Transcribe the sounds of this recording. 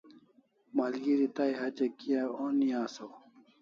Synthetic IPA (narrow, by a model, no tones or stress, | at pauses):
mɐlɡiɾit̪aiɦɐt͡ɕɐkijaoːniaːso